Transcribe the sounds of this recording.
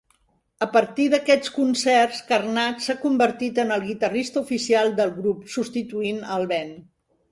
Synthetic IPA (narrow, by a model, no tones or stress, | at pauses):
əpəɾt̪iðəkɛt͡skunsɛrskərnatsakumbəɾt̪it̪ənəlˠɣit̪ərist̪əufisialˠd̪əlˠɣɾupsust̪it̪uinəlˠβɛn